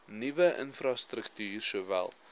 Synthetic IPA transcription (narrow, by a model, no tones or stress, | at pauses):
nivəʔə̰nfrɑstrəktyːrsuəvæ̰lˠ